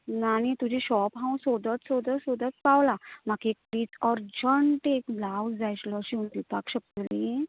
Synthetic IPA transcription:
naɽ̃it̪ud͡ʑiɕɔpɦãw̃sod̪ət̪sod̪əsod̪ət̪̚pawlamakek̚pɾiːt̪ɔɾd͡ʑəɳʈekblawsd͡zajt͡ɕlɔɕiund̪ipakɕək̚t̪oli

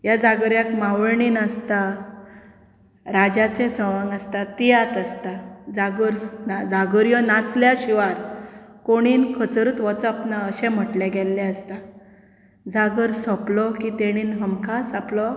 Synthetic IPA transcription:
jad͡zaɡəɾjakmaʋəɭɳiːnəst̪a | ɾad͡ʑat͡sẽsɔʋãŋɡast̪at̪ijat̪əst̪ad͡zaɡəɾnad͡zaɡəɾjɔnat͡sljaɕiʋaɾkoɽ̃iːnkʰət͡sɾuːt̪ʋɔt͡sapnaəɕɛ̃m̤əʈlɛɡɛlːɛəst̪a | d͡zaɡəɾsɔplɔkit̪eɽ̃iːnɦəmkʰasaplɔ

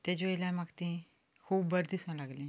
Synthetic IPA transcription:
t̪ed͡ʑojlamaɡt̪ĩ | kʰuːbbəɾd̪isãlaɡlĩː

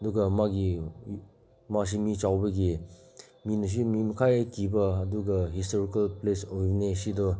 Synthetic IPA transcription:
ɐduɡɐmaɡi | mas̬imit͡ʃawbɐɡi | minɐs̬imimɐkʰajɐkibɐːduɡɐɦistoɾikɐlplesojbnesidɔ

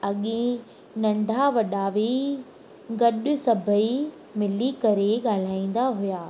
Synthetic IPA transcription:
ɐɠẽ | nɐ̃ɳɖʱaʋɐɗaʋi | ɡɐɗʊ̆sɐbʱəi | mɪlikɐɾeɠaːl̤aːĩːn̆d̪aɦʊjaː

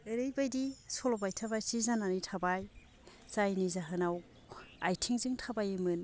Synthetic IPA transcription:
ɯɾɯjbajdisɔlɔbajtʰabajsizananitʰabaj | zajnizaɦɯnaw | ajtʰiŋziŋtʰabajɯmɯn

